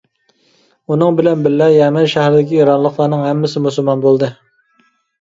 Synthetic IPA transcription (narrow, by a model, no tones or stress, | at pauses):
unɨŋbɪlɛnbɪlːɛjɛmɪnʃæhɾɪd̪ɪkʲʰijɑɾɑnlˠəχlˠɑɾnɨŋhɛmːɪsɨmusulˠmɑnbolˠd̪ɨ